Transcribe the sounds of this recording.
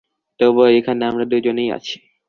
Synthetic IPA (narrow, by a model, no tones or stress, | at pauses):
t̪oboekʰaneamɾad̪ud͡ʑoneja̰t͡ɕʰi̥